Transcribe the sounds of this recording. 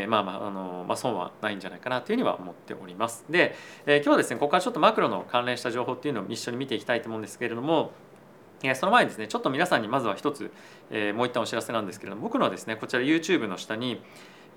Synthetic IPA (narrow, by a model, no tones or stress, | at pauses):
mama̰ːno̞ma̰sõɰ̃βa̰naĩɲ̟d͡ʑanaikanat̪eɯ̟iβa̰o̰mo̞t̪ːe̞̰ʔo̞ɾʲimasɨ̥d̪e̞eːkʲjoːβad̪e̞sɨneko̞kːaɾat͡ɕot̪ːo̞makɯɾo̞no̞̰kãnɾẽ̞ɕi̥t̪aʑo̞ːɦo̞ːt̪ːeiɯ̟no̞̰ːiɕːo̞ɲ̟imit̪e̞ikʲi̥t̪ait̪oːmõɯ̃nd̪eske̞ɾe̞d̪o̞mo̞ | eːso̞no̞maeɲid̪e̞sɨne̞t͡ɕo̞t̪ːomʲinasãɲ̟ːimazɨβaçi̥t̪o̞t͡sɨ̰ | emo̞ːit̪ːãoɕiɾase̞nãnd̪e̞sɨ̥ke̞ɾed̪ombokɯ̟ɾaβad̪e̞sɨne̞ko̞t͡ɕiɾajɯ̟ːt͡ɕɨːbɯ̟no̞ɕi̥t̪aɲ̟i